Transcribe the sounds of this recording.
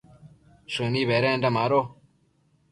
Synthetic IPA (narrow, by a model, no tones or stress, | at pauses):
ʂɨniβeɾendamaɾo